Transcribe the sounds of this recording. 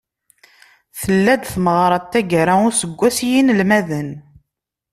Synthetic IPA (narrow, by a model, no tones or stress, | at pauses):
θəlːæd̪θməʁɾˤɑt̪ːæɡɾaʊɾsəɡʷːæsjinlmæðən